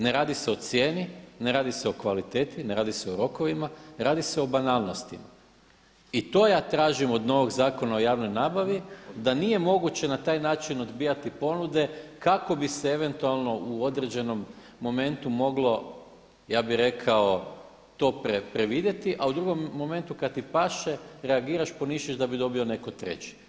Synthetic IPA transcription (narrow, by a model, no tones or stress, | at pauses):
ne̞ɾaːd̪iseo̞t̪sjeːnine̞ɾaːd̪iseo̞kʋalit̪e̞ːt̪ineɾaːd̪iseoɾo̞ko̞ʋimaɾaːd̪iseo̞banaːlˠno̞st̪ima̰ | it̪o̞ːjaːt̪ɾaːʒimo̞d̪no̞ʋo̞ɡzaːko̞nao̞jaːʋno̞jnaːbaʋid̪anije̞mo̞ɡut͡ɕe̞nat̪aːjnaːt͡ʃino̞d̪biːjat̪ipo̞nud̪e̞kako̞bisee̞ʋe̞nt̪ualˠno̞uo̞d̪ɾe̞d͡ʑe̞no̞mː | o̞me̞nt̪umo̞ɡlo̞ | jaːbiɾe̞kʰao̞ | t̪o̞ːpɾepɾe̞ʋid̪je̞t̪iʔaud̪ɾuɡo̞mːo̞me̞nt̪ukad̪̚t̪ipaʃeɾeaɡiːɾaʃpo̞niːʃiʒd̪abid̪o̞bione̞ko̞t̪ɾe̞̰t͡ɕi̥